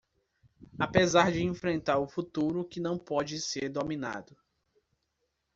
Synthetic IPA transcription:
apezaɾd͡ʒɪẽfɾẽnt̪aɾʊfut̪uɾʊkɪnɐ̃w̃pɔd͡ʒɪseɾd̪omĩna̰d̪ʊ

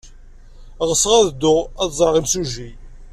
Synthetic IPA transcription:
ʁəsːʁæðd̪ːʊʁæðzˤəɾʁimsuʒi

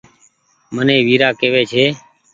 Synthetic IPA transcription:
mənẽːʋiːɾaːkeːʋeːt͡ʃʰeː

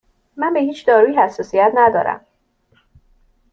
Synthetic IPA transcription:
mænbe̞hiːt͡ʃʰd̪ɒːɾuːjihæsːɒːsijæt̪næd̪ɒːɾæ̰m

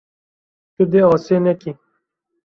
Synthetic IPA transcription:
t͡ʃud̪eɔːseneki

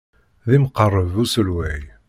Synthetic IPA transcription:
ðimqərˤːəvusəlwæj

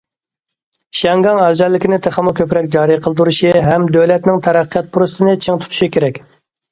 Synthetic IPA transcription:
ʃɛŋɡɑŋæld͡ʒ̪ɛlːɪkʲinɪt̪ʰeχəmʊkʲøpɾɛkʲd͡ʒɑːɾiqʰəlˠd̪uɾuʃiɦɛmd̪øwlɛt̪nɪŋt̪ʰæɾæqʰːəjɑt̪̚pʰuɾɨst̪ɨnɨt͡ʃʰeŋt̪ʰu̥t̪ʰu̥ʃikʲʰeɾɛkʲ

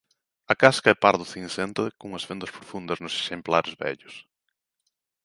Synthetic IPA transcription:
ɐkaskɐɛpaɾðʊθĩnsent̪ekoŋɐzfend̪ɐspɾofund̪ɐznʊse̥ʃemplaɾɪzβɛ̰ʎʊs

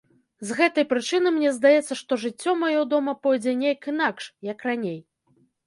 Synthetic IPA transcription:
zɣɛt̪ɐjpɾɨt͡ʂɨnɨmnʲɛzd̪ajɛt̪sːɐʂt̪ɔʐɨt͡sʲːɔmajɔd̪ɔmɐpɔjd͡zʲɛnʲejkɨnakʂjɐkranʲej

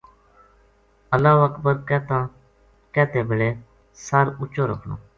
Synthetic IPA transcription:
əlaːʋəkbəɾkɛːt̪ãː | kɛːt̪ẽːbɪleː | səɾʊt͡ʃoːɾəkʰnõ̰ː

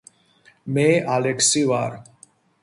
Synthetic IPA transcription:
meʔaleksiʋaɾ

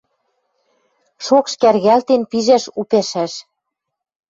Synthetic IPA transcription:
ʃokʃkærɣælt̪enpiʒæʃupæʃæʃ

